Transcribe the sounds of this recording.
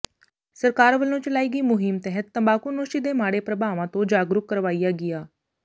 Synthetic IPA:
səɾkaːɾʋəlːõːt͡ʃəlaːiːɡiːmʊɦɪmt̪ɛɦət̪ːəmbaːkuːnoːʃiːd̪eːmaːɽeːpɾəbʱaːʋãːt̪õːd͡ʒaːɡɾʊkːəɾʋaːijaːɡɪjaː

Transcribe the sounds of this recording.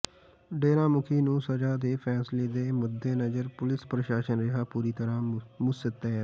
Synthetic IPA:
ɖeːɾãːmʊkʰiːnũːsəd͡ʒaːd̪eːpʰɛːsleːd̪eːmʊd̪ːeːnəd͡ʒəɾpʊlɪspɾəʃaːʃənɾɪɦaːpuːɾiːt̪əɾãːmʊsɪt̪ːɛːɛː

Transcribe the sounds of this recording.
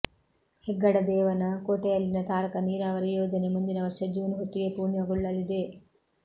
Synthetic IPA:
hɛɡːɐɽɐd̪ɛːʋɐnɐkoːʈejɐlːinɐt̪aːɾɐkɐniːɾaːʋɐɾujoːd͡ʒɐnemund̪inɐʋɐɾʂɐd͡ʒuːnɦot̪ːiɡe̞puːɾɳjɐɡuɭːɐlːid̪e̞

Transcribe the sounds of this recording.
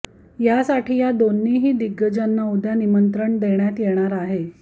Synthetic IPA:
jasaʈʰiːjad̪onːiɦiːd̪iɡːəd͡ʑanːaud̪ʱjanimənt̪ɾəɳd̪eɳjat̪jeɽ̃aɾaɦe

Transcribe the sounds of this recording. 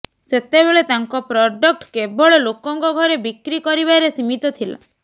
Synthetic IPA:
set̪ebeɭet̪aŋkɔpɾɔɖɔk̚ʈkebɔɭelokɔŋkɔɡʱɔɾebikɾikɔɾibaeɾesimit̪ɔt̪ʰila̰

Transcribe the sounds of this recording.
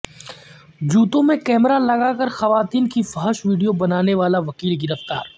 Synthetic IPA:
d͡ʒuːt̪õmẽkɛːmɾalɐɡakɐɾxɐʋaːt̪iːnkifɐɦəʃʋiːɖijobɐnaːneʋaːlaʋɐkiːlɡɪɾəft̪a̰ːɾ

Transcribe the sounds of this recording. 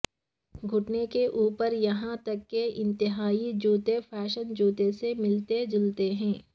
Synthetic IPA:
ɡʱʊʈnekeʔuːpəɾjɐɦãt̪ɐkːeɪ̃nt̪ɪɦaːid͡ʒuːt̪efʰɛːʃənd͡ʒuːt̪esemɪlt̪ed͡ʒʊlt̪eɦɛ̃ː

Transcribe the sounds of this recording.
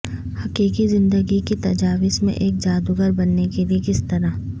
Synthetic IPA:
hɐkiːkizɪ̃nd̪əɡiket̪ɐd͡ʒaːʋismḛ̃ʔeːk̚d͡ʒaːd̪uɡəɾbɐnːekeliekɪst̪ɐɾa

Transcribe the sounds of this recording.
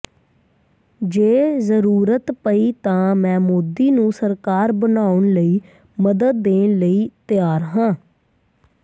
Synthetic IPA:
d͡ʒeːzəɾuːɾət̪pəiːt̪ãːmɛ̃ːmoːd̪iːnũːsəɾkaːɾbənaːʊɳləiː | məd̪əd̪̚ːeːnləiːt̪ɪjaːɾɦãː

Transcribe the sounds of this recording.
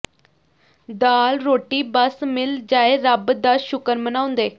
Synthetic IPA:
d̪aːlɾoːʈiːbəsmɪld͡ʒaːeːɾəbd̪aʃʊkəɾmənãːʊ̃nd̪eː

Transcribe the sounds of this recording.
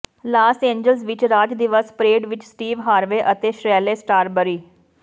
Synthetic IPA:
laːsẽːɲd͡ʒəlsʋɪt͡ʃɾaːd͡ʒd̪ɪʋəspɾeːɖʋɪt͡ʃsʈiːʋɦaːɾʋeːʔət̪eːʃɾɛːleːsʈaːɾbəɾiː

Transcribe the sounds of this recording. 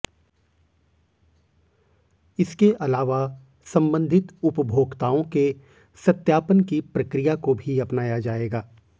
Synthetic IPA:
ɪskeʔɐlaːʋa | sɐ̃mbə̃nd̪ʱɪt̪ʊpəbʱoːɡt̪aːõke | sɐt̪jaːpənkipɾɐkɾijakobʱiɐpnaːjad͡ʒaːeːɡaː

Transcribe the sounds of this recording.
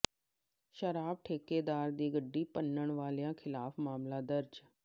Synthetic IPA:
ʃəɾaːb̚ʈʰeːkeːd̪aːɾd̪iːɡəɖːiːpənːəɳʋaːleãːkʰɪlaːpʰmaːmlaːd̪əɾd͡ʒ

